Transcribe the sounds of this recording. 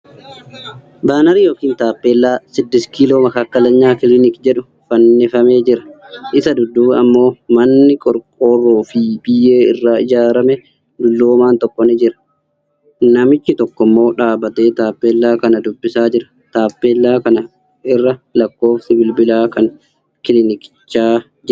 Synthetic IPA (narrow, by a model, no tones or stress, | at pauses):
baːnɐɾɪjo̞ːkiːnt̪aːpːeːlːaːsɪd̪ːɪskiːlo̞ːmɐkaːkːɐlɐɲːaːkɪlɪnɪkd͡ʒɛᶑʊ | fɐnːɛfɐme̞ːd͡ʒɪɾɐ̥ʔɪsɐd̪ʊd̪ːuːɐmːo̞ːmɐnːɪkʼɔɾkʼoːrːoːfɪbɪje̞ːɪrːaːɪd͡ʒaːɾɐmɛ | d̪ʊlːoːmaːnt̪ɔkʼːɔnɪd͡ʒɪɾɐ̥ | nɐmɪt͡ʃːɪt̪ɔkːɔmːo̞ːᶑaːbɐt̪eːt̪aːpːeːlːaːkɐnɐd̪ʊbːɪsaːd͡ʒɪɾɐ | t̪aːpːeːlːaːkɐnɐ | ɪrːɐlɐkːo̞ːfsɪbɪlbɪlaːkɐŋ | kɪlɪnɪkɪ̥t͡ʃːaː | d͡ʒɪ